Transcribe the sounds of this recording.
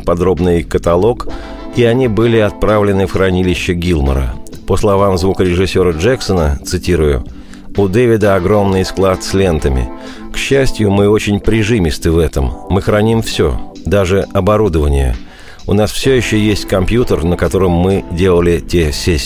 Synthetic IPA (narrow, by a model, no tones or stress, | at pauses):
pɐd̪ɾo̞bnɨjkət̪ɐlˠo̞k | iɐnʲibɨlʲɪɐt̪̚pɾavlʲɪnɨfxɾɐnʲilʲɪɕːəɡʲilˠmə̰ɾə̰ | pəslˠɐvamzvukəɾʲɪʐɨsʲːo̞ɾəʐɛksənət̪sɨtʲiɾʊjʊ̰ | ʊd̪ɛvʲɪd̪əɐɡɾo̞mnɨjsklˠat̪slʲe̞nt̪əmʲɪ̰ | kɕːæsʲtʲjʊmɨo̞t͡ɕɪnʲpɾʲɪʐɨmʲɪst̪ɨvɛt̪əmːɨxɾɐnʲimfsʲɵo̰ | d̪aʐɨɐbɐɾud̪əvənʲɪ̰jə̰ | ʊnasfsʲɵjɪɕːojesʲtʲkɐmpjut̪ərnəkɐt̪o̞ɾɨmːɨdʲe̞lˠəlʲɪtʲesʲesʲ